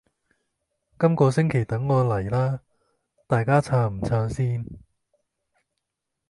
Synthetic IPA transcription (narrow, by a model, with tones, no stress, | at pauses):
kɐ˥mkɔː˧sɪ˥ŋkʰe˨˩jt̪ɐ˨˥ŋːɔː˨˧lɐ˨˩jlaː˥ | t̪aː˨jkaː˥t͡sʰaː˧m̩˨˩t͡sʰœː˧ŋsiː˥n